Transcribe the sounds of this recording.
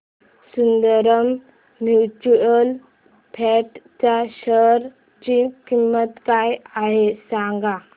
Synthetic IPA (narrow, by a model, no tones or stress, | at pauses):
sund̪əɾəm | mjut͡ɕuɾəl | pʰɛʈt͡ɕaɕəɾ | t͡ɕikimːət̪kajaɦesãŋɡa